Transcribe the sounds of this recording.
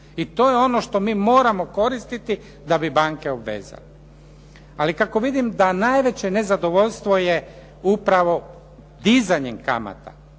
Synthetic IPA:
it̪o̞ːjeo̞no̞ʃt̪o̞miːmo̞ːɾamo̞ko̞ɾist̪it̪i | d̪abibaŋke̞obʋḛːza̰le | alikako̞ʋid̪imd̪anajʋe̞t͡ɕe̞ne̞zad̪o̞ʋoʎst̪ʋo̞je | upɾaʋo̞ | d̪izaɲemka̰ma̰t̪a̰

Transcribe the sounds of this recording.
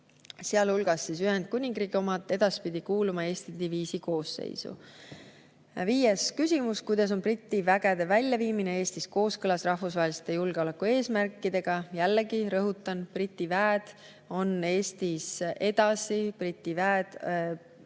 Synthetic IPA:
seɑlhulɡ̥ɑsːis̬yɦend̪̥̚kunʲiŋɡ̥riːɡ̥io̞mɑt̪ˑːe̞d̪̥ɑspid̪̥ikuːlumɑe̞ːst̪id̪iviːsiko̞ːsːḛjsṵ | viːje̞skysʲimuskujd̪̥ɑs̬o̞nprit̪ʲːˑivæɡ̥ed̪̥e̞vælʲjɑviːmine̞e̞ːst̪isko̞ːskɤlɑsrɑhfusvɑɦelist̪e̞julɡ̥eole̞kːue̞ːsmærkˑːid̪e̞ɡ̥ɑjælːeɡiɾɤɦut̪ːˑɑnprit̪ʲːˑivæːd̪̥ | o̞ne̞ːst̪ise̞d̪̥ɑsiprit̪ʲːˑivæːed̪̥

